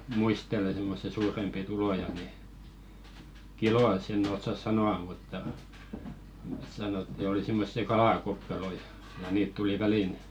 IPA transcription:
muistele semːosːi suːrempi tulojɑ ni kiloj̆ɑsː enː osːɑs sɑnoɑm̆ mutːɑ sɑnotˑĭ̥ oli simːosːi kɑlɑˑkokːɑroi jɑ niːt tuli ʋælin

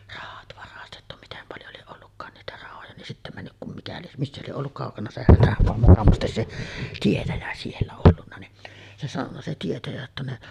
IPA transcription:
rɑhɑt ʋɑrɑstetːu mitem pɑljo lieʔ ʔolːukːɑːn niːtæ rɑhojɑ nin sitːæ mænːyk kum mikæ lieʔ misːæ lieʔ ʔolːuk kɑˑokɑnɑ se hætæmoɑ mukɑmɑstes se tietæjæ sielːæ olːunːɑ ni se sɑnonːɑ se tietæjæ jotːɑ ne

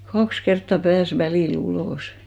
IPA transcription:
kɑks kertːɑ pæːs ʋæliˑl uloˑsi̥

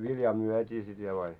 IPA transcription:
ʋiljɑː muœtʲiː sit ʋiel ɑi

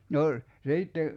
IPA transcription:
no siːtːe

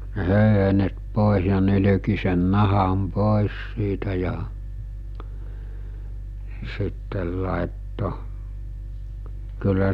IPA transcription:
ne høˑyhenet poˑes̞ jɑ nyly̝ki sen nɑhɑm poˑes siːtæ jɑ sitːel lɑˑetːo kylːæ

